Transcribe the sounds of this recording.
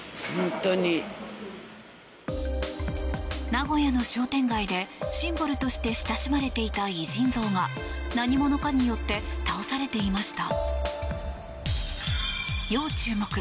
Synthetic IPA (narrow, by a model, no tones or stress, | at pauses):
hõnt̪oɲi | naɡo̞jano̞ɕo̞ːt̪ẽ̞ŋɡaid̪e̞ɕĩmbɯ̟ɾɯ̟t̪o̞ɕi̥t̪e̞ɕi̥t̪aɕimaɾe̞t̪e̞it̪aiʑĩnd͡zo̞ːɡanaɲ̟imo̞no̞kaɲ̟ijo̞t̪ːe̞t̪ao̞saɾe̞t̪e̞imaɕi̥t̪a | jo̞ːt͡ɕɨːmokɯ